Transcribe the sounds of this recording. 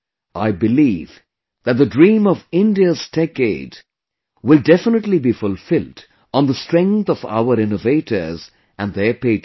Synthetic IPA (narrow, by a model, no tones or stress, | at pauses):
ʔa̰ɪbɨliv | ðæt̪̚ðədɹĩːmʌvɪ̃ndiəz̥tʰɛkeɪd | wɪlˠdɛfənətˡlibifʊlˠfɪlˠd̃ | n̩ðəstɹ̥ɛ̃ŋk̚θʌva̰ʊəɾɪ̃noveɪɾə̰˞z | ʔæ̃nðə˞peɪt